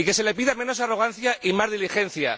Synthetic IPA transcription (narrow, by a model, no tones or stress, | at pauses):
ike̞se̞le̞piðamẽ̞no̞saro̞ɣ̞anθjaʔimazðilixe̞n̟θja̰